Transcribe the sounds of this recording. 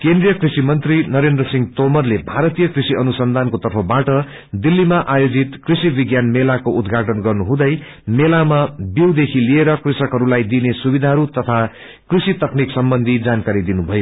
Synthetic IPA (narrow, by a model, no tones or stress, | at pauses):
kend̪rijʌkrisimʌnt̪rinʌɾend̪rʌsiŋɡt̪omʌrlebʱaɾʌt̪ijʌkrisiʔʌnusʌnd̪ʱankot̪ʌrpʰʌbaʈʌ | d̪ilːimaʔajod͡zit̪krisibiɡjanmelakoʔud̪ɡʱaʈʌnɡʌrnuɦũd̪ʌj | melamabiwd̪ekʰilieɾʌkrisʌkɦʌɾulajd̪inesubid̪ʱaɦʌɾut̪ʌt̪ʰa | krisit̪ʌkniksʌmbʌnd̪ʱid͡zankaɾid̪inubʱʌjo